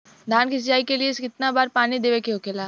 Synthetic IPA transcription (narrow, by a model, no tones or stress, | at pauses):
d̪ʱaːnkist͡ʃaːikelijeɪsɪt̪nabaːɾpaːnid̪eːʋekeɦokelaː